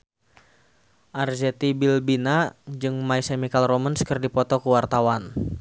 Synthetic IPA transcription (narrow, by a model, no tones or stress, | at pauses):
ʔarzɛt̪ibilbinad͡ʒɨŋmaisemikalromənskərdipɔt̪ɔkuwart̪awan